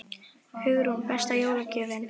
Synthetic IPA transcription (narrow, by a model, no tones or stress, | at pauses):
hʏɣɾhunpɛst̪ajoːwlacʏːvɪn